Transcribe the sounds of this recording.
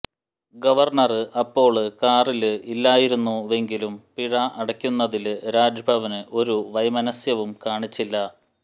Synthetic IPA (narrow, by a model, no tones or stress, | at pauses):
ɡɐʋɐrɳɐrɨʔɐpːo̞ːɭɨkaːrilɨʔilːaːjiɾunːue̞ŋɡilumpiɻɐʔɐɽɐkʲːunːɐðilɾaːd͡ʑɐbʱɐʋɐnɨʔo̞ɾuʋɐjmɐnɐsjɐʋumkaːɳit͡ɕːilːɐ